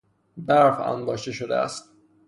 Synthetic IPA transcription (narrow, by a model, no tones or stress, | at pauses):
d̪æɾfæ̰nb̪ɒːʃt̪eʃod̪eæ̰st̪̚